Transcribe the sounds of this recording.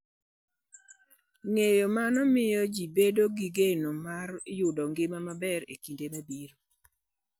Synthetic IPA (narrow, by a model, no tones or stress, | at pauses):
ŋejomanɔmɪjɔd͡ʒibedoɡiɡenomarjʊdɔŋɡɪmamabɛɾḛkindemabiɾo